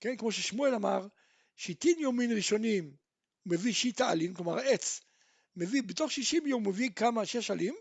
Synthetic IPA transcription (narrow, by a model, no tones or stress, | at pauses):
ke̞nkmo̞ʃeʃmue̞lamaʁ | ʃit̪injominʁiʃo̞nim | meviʃit̪aa̰linkloma̰ʁe̞t͡s | me̞vibet̪o̞χʃiʃimjomːevikamaʃeʃalim